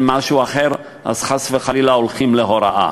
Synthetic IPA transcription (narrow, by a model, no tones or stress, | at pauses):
maʃuaχeʁ | ʔa̰zχasveχalilaolχimleɦoɾa̰ʔa̰